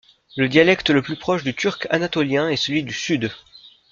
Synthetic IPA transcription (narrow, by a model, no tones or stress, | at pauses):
ləd̪jalɛkt̪ləplypχɔʃd̪yt̪ʰyʁkanat̪ɔljɛ̃ɛsəlɥid̪ysyd̪